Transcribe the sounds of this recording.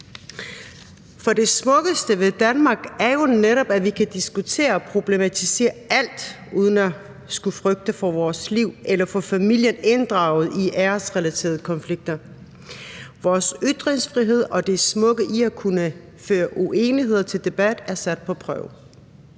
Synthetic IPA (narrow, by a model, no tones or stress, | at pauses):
fɒ̽de̝smɔ̽ɡ̥əsd̥əʋe̝ðˠd̥ænmɑ̈ːɡ̥æɐjo̝neɾɒ̽b̥æʋikʰæd̥isɡ̥ut͡sʰe̝̰ːɐɒpʰʁo̝b̥le̝mæt͡sʰise̝̰ːɐæl̰d̥ʔuːð̞ˠən̩æ | sɡ̥ufʁœɡ̥̚d̥ɐfɒʋɒːsliʊ̰ʔelɐfɔfæmil̰jəne̝nd̥ʁɑ̈ʊ̰ð̩ˠiʔæɐsʁɛlæt͡sʰe̝̰ːɐðˠəkʰɒ̽nfliɡ̥̚d̥ɐ | ʋɒːsyd̥ʁeŋsfʁiɦe̝ð̞̰ˠɒ̽d̥e̝smɔ̽ɡ̥əʔiækʰunə | føːɐʔuʔe̝ːniɦe̝ð̞̰ˠɐt͡sʰe̝ld̥e̝b̥æd̥æɐsæd̥̚pʰɒ̽pʰʁœ̰ʊ